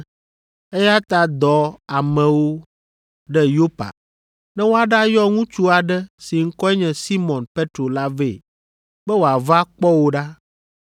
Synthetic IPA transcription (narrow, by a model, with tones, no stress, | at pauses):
e˦ja˦t̪a˨d̪ɔ˨a˨mɛ̃˨wo˦ | ɖɛ˦jo˦pa̰˨ | nɛ̃˦wo˦a˨ɖa˦jɔ˦ŋũ˦t͡ʃu˦a˨ɖɛ˦si˨ŋ̩˦kɔ˦ɛ˦ɲɛ̃˨si˦mɔ̃˨npe˦t̪ɾo˨la˦ve˨ | bɛ˦wo˨a˨va˦k͡pɔ˦wo˦ɖa˦